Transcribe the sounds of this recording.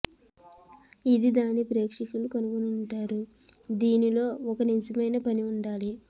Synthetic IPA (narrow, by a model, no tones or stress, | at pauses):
id̪id̪aːnipɾeːkʂikulukɐnuɡunuɳʈaːɾu | d̪iːnilo̞ːɔkɐninsɐmɐjnɐpɐniuɳɖaːli